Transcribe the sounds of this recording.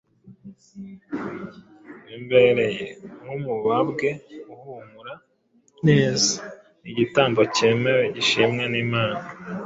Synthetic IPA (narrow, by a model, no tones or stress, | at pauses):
wimbe̞ɾe̞jemhumuβabɡe̞uhumuɾa | neːza | iɟitaːmboce̞ːme̞weɟiʃimŋaniːmaːna